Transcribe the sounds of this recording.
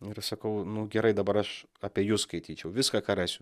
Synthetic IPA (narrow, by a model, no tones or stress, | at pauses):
ɪɾsɐkɐʊnʊɡʲɛɾɐɪd̪ɐbɐɾɐʃ | ɐpʲiːjʊskɐɪt̪ʲiːt͡ʃʲɛʊʋʲɪskɑkɐɾæːsʲʊ